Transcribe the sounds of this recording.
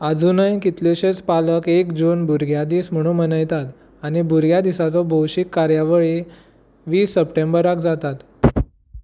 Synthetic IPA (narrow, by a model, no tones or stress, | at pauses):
ad͡zʱunəjkit̪luɕet͡spaləkekd͡zuːnbuɾɡjad̪iːsm̤əɽ̃ũmənəjt̪at̪ | añibuɾɡjad̪isat͡sɔbʱowɕikːaɾjaʋəɭi | ʋiːsːəpʈembəɾakd͡zat̪at̪